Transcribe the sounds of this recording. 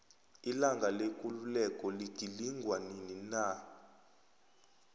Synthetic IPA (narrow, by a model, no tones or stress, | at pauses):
ilaŋɡʱalekʼululɛkʼɔliɡ̥ʱiliŋɡʱwaninina